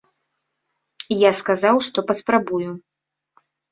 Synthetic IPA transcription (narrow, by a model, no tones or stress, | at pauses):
jaskazawʂt̪ɔpɐspɾabuju